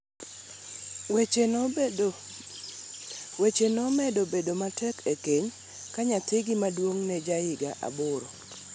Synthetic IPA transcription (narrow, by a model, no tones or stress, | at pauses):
wet͡ʃenɔmɛdobedomatʰɛkekeɲ | kaɲatɪɡɪmadwoŋnɛd͡ʒaɪɡaʔa̰bʊɾo